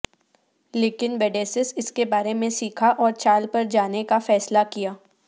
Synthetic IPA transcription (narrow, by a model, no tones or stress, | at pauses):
leːkɪnʋɛːɖeːsɪsɪskebaːɾemẽsiːkʰaʔɔːɾt͡ʃaːlpɐɾd͡ʒaːnekafɛːslakijaː